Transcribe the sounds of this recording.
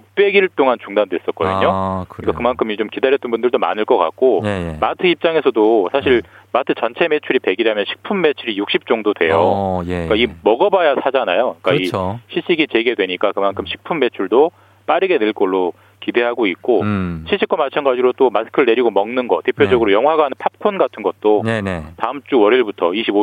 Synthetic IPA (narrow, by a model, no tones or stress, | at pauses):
ok̚p͈e̞ɡiɭt͈oŋant͡ɕuŋdandwe̞s͈ʌt̚k͈ʌ̰dɯ̰ɲɲokɲikakɯmankʰɯmit͡ɕomkidaɾjʌt͈ɯnbundɯɭdoma̰nɯɭk͈ʌk͈a̰k̚k͈omatʰɯip̚t͡ɕ͈aŋe̞sʰʌdosʰaɕʰiɭ | matʰɯt͡ɕʌnt͡ɕʰe̞me̞t͡ɕʰuɾipe̞ɡiɾamjʌnɕʰi̥k̚pʰumme̞t͡ɕʰuɾijuk̚ɕ͈ip̚t͡ɕ͈oŋdodwe̞jok͈aimʌɡʌbajasʰad͡ʑanajoik͈aiɕʰiɕ͈iɡit͡ɕe̞ɡedwe̞ɲik͈akɯmankʰɯmɕʰi̥k̚pʰumme̞t͡ɕʰuɭdo | p͈aɾɯɡe̞ne̞ɭk͈ʌɭːo | kide̞ɦaɡoik̚k͈ot͡ɕʰiɕ͈ʰikwʌmat͡ɕʰʌnɡad͡ʑiɾot͈omasʰɯ̥kʰɯɭne̞ɾiɡomʌŋnɯnɡʌtepʰjod͡ʑʌɡɯɾojʌŋɦwaɡaanɯnpʰap̚kʰonɡatʰɯnɡʌt̚t͈oentaɯmt͡ɕ͈uwʌɾiɭbutʰʌiɕʰibo